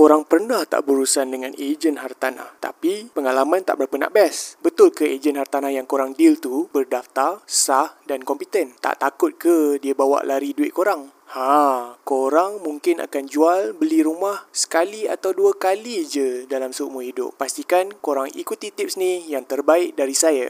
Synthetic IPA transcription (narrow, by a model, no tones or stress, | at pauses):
koɾaŋpərnaht̪a̰ʔbəɾusandəŋãnʔed͡ʒənɦart̪ana̰ht̪a̰pipəŋalamãnt̪a̰ʔbəɾapəna̰ʔbɛsbət̪ʊlkəed͡ʒənhart̪anahjaŋkoɾaŋdilt̪ubərdaft̪arsahdankɔmpit̪ənt̪a̰ʔt̪akʊt̪̚kədiabawa̰ʔlaɾiduɪʔ̪̚koɾaŋ | hakoɾaŋmuŋkɪna̰kand͡ʒualbəliɾumahsə̥kalia̰t̪awduəkalid͡ʒədalamsəumʊhidʊ̰p̚ːast̪ikankoɾaŋḭkut̪it̪ɪp̚snihjaŋt̪ərbaɪʔ̚daɾisaja